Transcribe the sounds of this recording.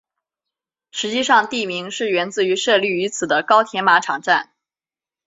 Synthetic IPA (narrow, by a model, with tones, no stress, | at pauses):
ʂɻ̩˧˥t͡ɕi˥˧ʂɑ˥˧ŋt̪i˥˩mi˧˥ŋʂɻ̩˥˩ɥɛ˧˥nt͡sɹ̩˧˥y˧˥ʂɤ˥˧ly˥˩y˧˥t͡sʰɹ̩˨˩d̪ə˦kɑ˥ʊt̪ʰjɛ˧˥nma˧˥ʈ͡ʂʰɑ˨˩ŋʈ͡ʂa˥˩n